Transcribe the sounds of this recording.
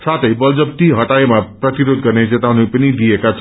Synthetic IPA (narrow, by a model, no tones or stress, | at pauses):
sat̪ʰʌjbʌld͡zʌp̚t̪iɦʌʈajmaprʌt̪iɾod̪ɡʌrned͡zet̪awnepʌnid̪iekat͡sʰ